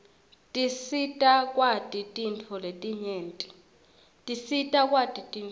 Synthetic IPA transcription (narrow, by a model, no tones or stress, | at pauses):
tʼisitʼakʼwatʼitʼint͡fʰɔletʼiɲeːntʼi̥ | tʼisitʼakʼwatʼitʼin